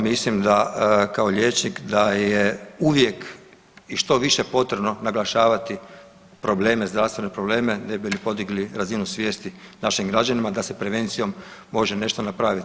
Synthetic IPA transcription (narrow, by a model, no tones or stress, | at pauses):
mislimd̪akao̞ʎeːt͡ʃnikd̪ajeuʋje̞k | iʃt̪o̞ʋiʃepo̞t̪ɾe̞bnonaɡlˠaʃaːʋat̪i | pɾo̞ble̞ːme̞zd̪ɾaʋst̪ʋe̞ne̞pɾo̞ble̞ːme̞nebilipo̞d̪iɡliɾazinusʋje̞ːst̪inaʃimɡɾad͡ʒanimad̪ase̞pɾe̞ʋe̞nt̪sijo̞mːo̞ʒene̞ʃt̪o̞napɾaːʋit̪